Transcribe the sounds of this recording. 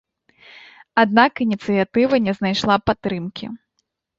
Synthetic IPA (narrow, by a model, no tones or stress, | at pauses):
ad̪̚nakinʲit̪sɨjat̪ɨvɐnʲɛznajʂlˠapat̪ːɾɨmkʲḭ